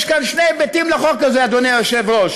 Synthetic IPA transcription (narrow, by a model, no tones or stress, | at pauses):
ʃkanʃnejbet̪imlaχokːazead̪onejjoʃevʁoʃ